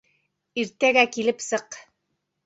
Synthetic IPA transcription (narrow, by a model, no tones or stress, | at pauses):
iɾt̪æɡækilɘpsɤq